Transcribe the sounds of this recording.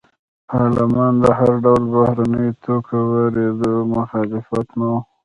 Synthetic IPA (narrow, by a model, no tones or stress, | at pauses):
ɑlamɑnd̪əɦaɾɖawlbahɾanəjt̪okʰawəɾed̪əmʊxɑlɪfat̪mu